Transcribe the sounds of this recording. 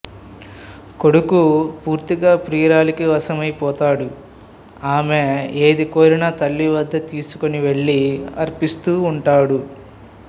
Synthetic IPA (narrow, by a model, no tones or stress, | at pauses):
ko̞ɽukupuːɾt̪iɡaːpɾiːɾaːlikiʋɐsɐmɐjpɔːt̪aːɽu | aːmeeːd̪ikoːɾinaːt̪ɐlːiʋɐd̪ːɐt̪iːsu̥koniʋe̞ɭːiɐ̰ɾpist̪uːɳʈaːɽu